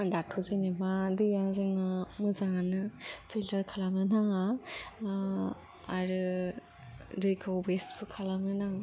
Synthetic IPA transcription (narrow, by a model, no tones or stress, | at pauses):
datʰuzɯnebadɯjazɯŋamɯzaŋanɯpʰiltəɾkʰalamnɯnaŋa | aɾɯ | dɯjkʰawbesbʰɯkʰalamnɯnaŋ